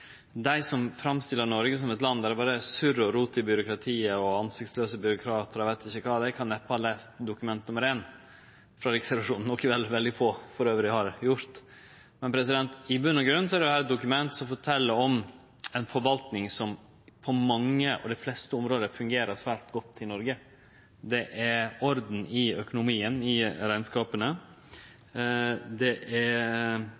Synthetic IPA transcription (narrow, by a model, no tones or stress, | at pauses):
d̪æɪsɔmfɾɑmst̪ɪlːəɾnɔɾɡəs̬ɔmɛt̪lɑnd̪æɾɛbɑːɾəsʉɾəɔɾuːt̪ɪbjʏɾʊkɾɑt̪ʰiːəɔɑnsɪkt̪sløːsəbʏɾʊkʰɾɑːt̪əɾɔɛʋæɪt̪ɪçːəkʰɑːd̪æɪkʰɑnːɛpːəhɑleːst̪d̪ʊkʉmɛnt̪nʉmːəɾeːn | fɾɑɾɪksɛɾʋɑʂuːnn̩ːɔkːɪʋɛlːʋɛld̪ɪfoːfɔɾøːʋəɾɪhɑɾjʊɾt̪ | mɛnpʰɾɛs̬ɪd̪ɛnt̪ɪbʉnːəɡɾʉnsɔæɾɛjhæːɾɛt̪̚d̪ʊkʉmɛnt̪sɔmfɔʈʰɛlːəɾɔm | ɛɪnfɔɾʋɑlt̪nɪŋsɔm | pʰɔmɑŋːəʔɔ̰d̪ɛflɛst̪əʊmɾoːd̪əfʉŋɡeːɾəʂʋæːɾt̪ɡɔt̪ʰːɪlnɔɾɡə | d̪ɛʔæɾɔɾd̪n̩ɪœkʊnʊmiːənɪɾæɪnskɑːpənə | d̪ɛʔæ